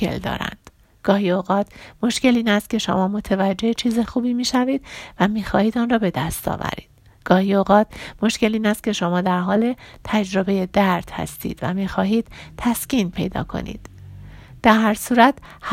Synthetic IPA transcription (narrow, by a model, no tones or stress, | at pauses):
ḛld̪ɒ̰ːɾæ̰nd̪̥ | ɡ̥ɒːhioɣɒːt̪ʰmoʃke̞liːnæst̪̚cʰe̞ʃo̰mɒːmo̞t̪ʰevæd͡ʒːehet͡ʃʰiːzexuːbiːmiːʃæviːd̪̥væmiːxɒːhiːd̪ɒːnrɒːbe̞d̪æst̪ɒ̰ːvæ̰ɾḭːd̪̥ | ɡ̥ɒːhiːoɣɒːt̪̚mo̞ʃke̞liːnæst̪̚cʰe̞ʃomɒːd̪æɾɦɒːle̞t̪ʰæd͡ʒɾo̞be̞je̞d̪æɾt̪ʰhæ̰st̪ḭːd̪̥væ̰miːxɒːɦiːd̪̥t̪ʰæsciːnpʰe̞̰jd̪ɒ̰ːkʰo̞̰nḭːd̪̥ | d̪̥æɾɦæɾsuːɾæt̪h